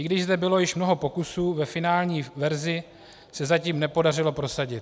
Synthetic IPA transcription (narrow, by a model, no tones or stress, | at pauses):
ɪɡdɪʒzd̪ɛbɪlo̞jɪʃmno̞ɦo̞po̞kusuːvɛfɪnaːlɲiːvɛɾzɪ | sɛzaciːmnɛpo̞darɪlo̞pɾo̞saɟɪt̪̚